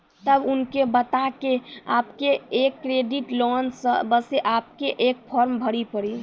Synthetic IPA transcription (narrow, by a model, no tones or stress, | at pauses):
t̪əbunkebət̪akeapkeekːɾeɖiʈlɔnsəbəseʔap̚keʔek̚pʰɔɾmbʱəɽipəɽi